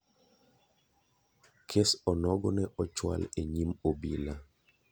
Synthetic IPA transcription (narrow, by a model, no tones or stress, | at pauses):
kʰesɔnɔɡɔnɛʔɔt͡ʃwa̰leɲimobila